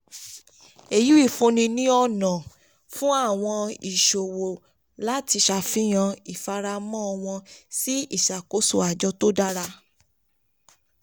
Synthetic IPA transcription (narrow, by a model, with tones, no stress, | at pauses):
e˨ju˨˦i˦˨fõ˧nĩ˧nĩ˦ɔ˧nã˨ | fũ˦a˦˨w̃ɔ̃˧i˨ʃo˨wo˨ | la˦ti˧ʃa˧˨fĩ˦j̃ã˧i˨fa˧ɾa˧mɔ̃˦ɔ˧w̃ɔ̃˧si˦i˦˨ʃa˨ko˨˦so˦˨a˨d͡ʒɔ˧˦to˦da˦ɾa˧